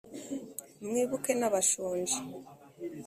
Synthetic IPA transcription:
mŋiːβukenaβaʃuːnd͡ʒi

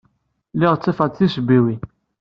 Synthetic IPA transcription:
lɪʁt͡sːifɑt͡s̪θisbiwi

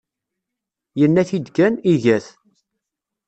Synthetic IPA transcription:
jənːæθid̪ɡæniʝæθ

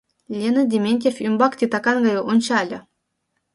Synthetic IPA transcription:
lʲenə̆dʲemʲenʲtʲefymbɑkt̪ʲit̪ɑkɑnɡɑjɤʔunʲt͡ɕɑlʲɤ̆

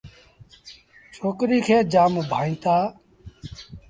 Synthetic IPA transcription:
t͡ʃʰoːkɾiːkʰeːd͡ʒaːmbʱaːĩːt̪aː

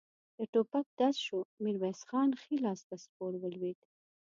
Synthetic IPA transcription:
d̪̥əʈopak̚d̪asʃumiɾbajsxɑːnxilɑst̪aspoɾwəlwet̪

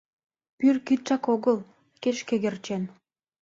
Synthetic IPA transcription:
pyrkit̪̚t͡ʃɑkoɣəl | keʃkeɣert͡ɕen

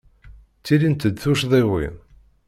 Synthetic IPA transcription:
t͡sːilint̪əd̪θuʃðˤewḭn

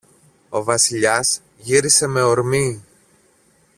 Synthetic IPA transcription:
o̞vɐsiʎɐs | ʝiɾise̞me̞o̞ɾmi

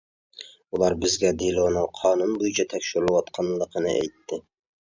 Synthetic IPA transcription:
ulˠɑɾbɪzɡʲæd̪elonɨqʰɑnunbojt͡ʃʰɑt̪ʰækʲʃɪɾlˠɪwɑt̪qʰɑnlˠəqʰənɪ̰ʔæ̰jt̪ːɪ

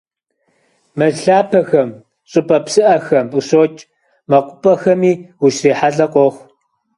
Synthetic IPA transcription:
mɐɬaːpʰɐxɐm | ɕʼɨpʼɐpsɨʔɐxɐmusoːt͡ʃʼ | mɐqʷʊpʼɐxɐmiːwʊʃriːħaɮɐqʷʼoxʷ

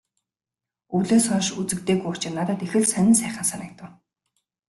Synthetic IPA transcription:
uɮeːsɔːʃut͡sɘ̆k̚t̪eːɣujʊw̥t͡ɕɪ̆nːat̪ə̆t̪exɘ̆ɮsænʲɪ̆nsæːχə̆nsanə̆k̚t̪ə̆w

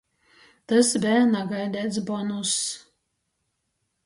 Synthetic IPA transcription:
t̪ɐsbʲɛnaɡajd̪ʲɛt̪sbɔnus

